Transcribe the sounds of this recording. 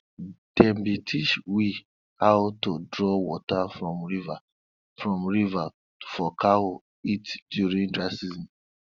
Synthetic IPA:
d̥ɛmbitʰit͡ʃwi | hawtodɹɔwɔtafɹɔ̃mɹiva | fɹɔ̃mɹiva | tu̥fɔkʰawo | itdjuɹĩŋdɹasizɔ̃n

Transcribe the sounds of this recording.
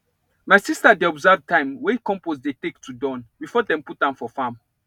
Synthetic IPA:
maɪsistadeɔbzavtãɪ̃mwɛ̃kɔ̃mposdetektʰudɔ̃nbifɔdɛ̃mput̚ãnfɔfãm

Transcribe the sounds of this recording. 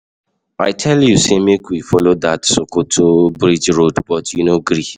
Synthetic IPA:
aɪtʰɛljusemekwifɔlod̪atsokotʰobɹid͡ʒɹodbɔtjunoɡɾi

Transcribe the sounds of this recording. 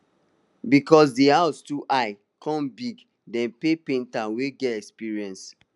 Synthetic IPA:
bikɔsdihaʊstuʔaɪ | kʰɔ̃mbiɡ | dɛ̃npepẽntãweɡɛtɛkspiɹiɛ̃ns

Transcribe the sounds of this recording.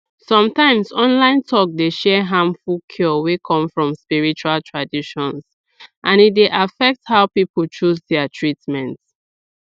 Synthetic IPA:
sɔ̃mtãɪ̃msɔ̃nlãɪ̃ntʰɔk̚deʃɛɦãmfukʰɔwekʰɔ̃mfɹɔ̃mspiɹit͡ʃualtʰɹadiʃɔ̃ns | ʔãnit̚deʔafɛk̚thaʊpipul̩t͡ʃuzdɛatʰɹitmɛ̃nt

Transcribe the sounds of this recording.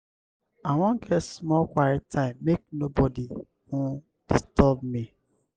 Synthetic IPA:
aw̃ɔ̃ŋɡɛtsmɔlkʷaɾɛtʰãɪ̃mːek̚nobɔdi | hũ | d̥istɔbmi

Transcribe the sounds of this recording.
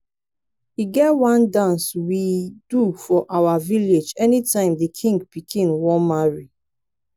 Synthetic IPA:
iɡɛtwãndãnswidufɔʔawaviled͡ʒɛnitãɪ̃mdikʰĩŋɡ̚pikʰĩnwɔ̃nmaɹi

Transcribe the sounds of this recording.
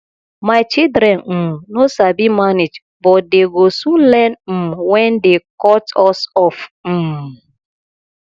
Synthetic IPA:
maɪt͡ʃidɾɛnm̩nosabimaned͡ʒ | bɔdeɡosun̩lɛnm̩wɛndekɔtɔsɔfm̩

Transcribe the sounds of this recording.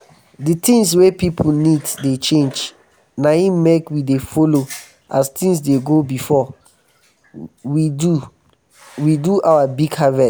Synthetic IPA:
ditĩŋs̬wepipʰuniddet͡ʃẽnd͡ʒ | naĩmekwidefolo | astĩŋs̬deɡobifɔ | wi | widuʔawabiɡhavɛ

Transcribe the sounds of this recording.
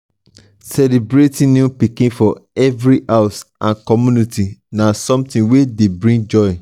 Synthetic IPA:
sɛlebɾetʰĩnĩpikĩnfɔɛvɾihaʊsʔãnkʰɔmjũnitʰinãsɔ̃mtĩnwedebɹĩŋd͡ʒɔɪ

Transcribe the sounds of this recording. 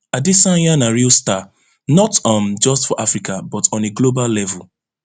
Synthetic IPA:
adɪsãjanaɹilsta | nɔtɔmd͡ʒɔstfɔʔafɹikabɔtʰɔ̃neɡloballɛvul

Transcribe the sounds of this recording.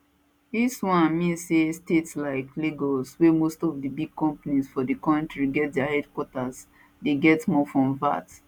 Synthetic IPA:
diswãnmĩnsestetslaɪkleɡɔswemostɔfdibiɡ̚kɔ̃mpanisfɔdikɔ̃ntɹiɡɛt̚dɛahɛdkwɔtas | deɡɛtmɔfɹɔ̃mva̰t

